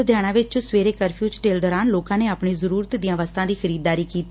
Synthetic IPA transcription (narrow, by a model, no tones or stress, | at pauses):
d̪ʱjaːɽ̃ãːʋɪt͡ʃsʋeːɾeːkəɾpʰjuːd͡ʒʈeːld̪ɔːɾaːnloːkãːneːaːpɳeːzəɾuːɾət̪d̪ɪjãːʋəst̪ʰãːd̪iːxʰəɾiːd̪ːaːɾiːkiːt̪i